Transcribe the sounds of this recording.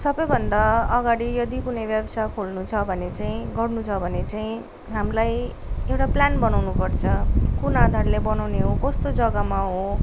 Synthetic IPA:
sʌbʌjbʱʌnd̪aʌɡaɽijʌd̪ikunʌjbjabʌsakʰolnut͡sʰʌbʱʌnet͡saĩɡʌrnut͡sʰʌbʱʌnet͡saĩ | ɦamlaj | ewʈaplanbʌnawnupʌrt͡sʰʌkunad̪ʱarlebʌnawneɦokʌst̪od͡zʌɡʌmaɦo

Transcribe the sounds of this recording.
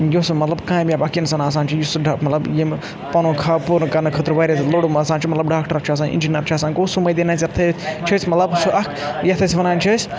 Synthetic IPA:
josmɐt̪lɐbkãːbiaːbɐkinsɐnaːs̬aːnt͡ʃʰijusɖmɐt̪lɐbje | pɐnũːkʰaːpuɾkɐnɐkʰət̪ɾʋɐːɾesloɽumɐsãːnt͡ʃʰimɐt̪lɐbɖaːkʈəɾt͡ʃʰiɐs̬ãːnḭnd͡ʒinɐɾt͡ʃʰiɐsaːnkoːsumɐjd̪enaːsɐɾt̪ʰɐt͡ʃʰɐsʲmɐt̪lɐbsuʔɐkʰjɐt̪ʰɐsiʋɐnaːnt͡ʃʰɐs

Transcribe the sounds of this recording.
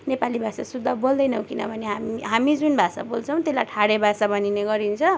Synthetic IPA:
nepalibʱasasud̪ʱːʌbold̪ʌjnʌw̃kinʌ̰bʱʌneɦamiɦamid͡zunbʱasa̰bolt͡sʰʌw̃t̪elajʈʰaɽebʱasabʌnineɡʌɾint͡sʰʌ

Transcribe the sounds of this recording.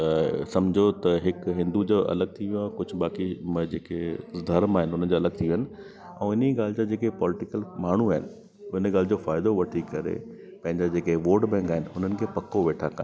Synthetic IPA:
sɐmd͡ʑʱot̪ɐɦɪkɦɪ̃nd̪ud͡ʑoːʔɐ̰ləɡ̚t̪ʰiʋĩũãːkʊd͡ʑʱʊ̆ɓaːkimɐd͡ʑeːked̪ʱɐɾmaːɦɪnɪɦʊn̤ən̆d͡ʑoːɐləɡ̚t̪ʰijũɦɪnɪ̆ | ɛ̃ːɪneɡaːlɪd͡ʑad͡ʑeːkepɔːlɪʈɪkəlmaːɳ̤uaːɦɪnɪ̆ | ɪnəɡaːlɪd͡ʑoːfaːɪd̪oʋɐʈʰikɐɾḛ | pɐ̃ɦɪ̃ɲd͡ʑad͡ʑeːkeʋoːʈbɛ̃ːŋkaːɦɪnɪɦʊn̤ənɪ̆kʰeːpɐkʰoʋeːʈʰakɐ̰n

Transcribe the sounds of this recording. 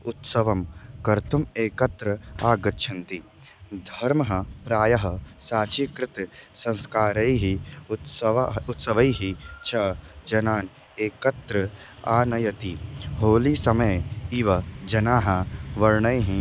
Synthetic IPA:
ʊt̪sɐʋɐmkɐɾt̪umeːkɐt̪ɾɐaːɡɐtːʃʰɐnt̪i | d̪ʱɐɾmɐɦɐpɾaːjɐɦɐsaːt͡ʃikɾɪt̪sɐ̃nskaːɾɐjɦiʊt̪sɐʋʊt̪sɐʋɐjɦit͡ʃʰɐd͡ʒɐnaːn | eːkɐt̪ɾɐ | aːnɐjɐt̪iɦoːlisɐmɐjiʋɐd͡ʒɐnaːɦɐʋɐɾɳɐjɦĩ

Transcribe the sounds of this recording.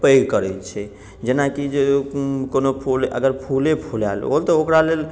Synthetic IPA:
pəjɡkəɾɛt͡ʃʰɛ | d͡ʒenakid͡ʒekonopʰulə̰ɡəɾpʰulepʰulalo̰t̪ɔokɾalel

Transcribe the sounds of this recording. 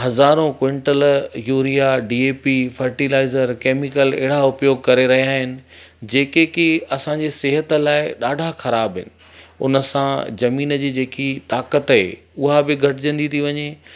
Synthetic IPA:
ɦɐzaːɾõkwẽɳʈəljuːɾijaɖiːeːpifɐɾʈilaːɪzəɾkeːmɪkəlɛ̰ɦɪɾaʊpjoːɡ̚kɐɾeɾɐɦijaːɦɪnɪ̆ | d͡ʑeːkekɪɐsãɲd͡ʑesɪɦət̪ə̆laːɪɗaːɖʱaxɐɾaːbɦɪnɪ̆ | ʊ̰nəsãzɐmiːnəd͡ʑiːd͡ʑeːkit̪aːkət̪ɦḛ | ʊɦabɪɡʱɐʈɪd͡ʑɐ̃nd̪it̪ʰiʋɐɲe

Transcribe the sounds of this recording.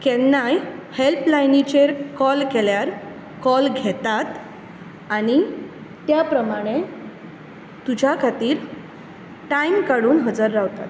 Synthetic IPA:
kɛnajhelplajnit͡ɕeɾkɔlkeljaɾ | kɔlɡʱɛt̪at̪ | aɽ̃it̪japɾəmaɽ̃e | t̪ud͡ʑʱjakʰat̪iːɾ | ʈaimkaɽuːnɦəd͡zəɾːaʋt̪a̰t̪

